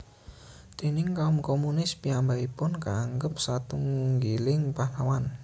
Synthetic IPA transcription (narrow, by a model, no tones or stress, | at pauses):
d̪̥e̤nɪŋkaʊmkomunɪspiambaipʊnkaːŋɡəp̚sat̪uŋɡilɪŋpahlawan